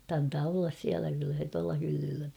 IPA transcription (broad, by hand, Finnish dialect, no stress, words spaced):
ɑntɑː olːɑs siælæ kylːæ se tuɑlɑ hylːylːæ